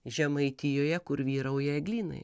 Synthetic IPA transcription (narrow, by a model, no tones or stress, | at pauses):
ʒʲɛmɐɪt̪ʲɪjoːjɛkʊɾʋʲiːɾɐʊjɛɛɡlʲiːnɐ̰ɪ